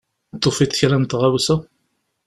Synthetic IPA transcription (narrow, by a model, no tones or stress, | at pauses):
t̪ˤːofit̪çɾænt̪ʁawsæ